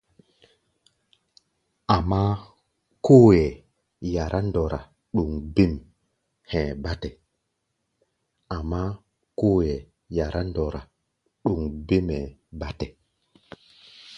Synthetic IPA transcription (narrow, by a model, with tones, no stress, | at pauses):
a˨mːa˦ | ko˦jɛ˨ | ja˨ɾʔa˦ndɔ˨ɾa˨ | ɗu˨ŋbi˦m | hɛ̃˨ba˦tɛ˨ | a˨mːa˦ | ko˦jɛ˨ | ja˨ɾʔa˦ndɔ˨ɾa˨ | ɗu˨ŋbi˦mɛ˨ba˦tɛ˨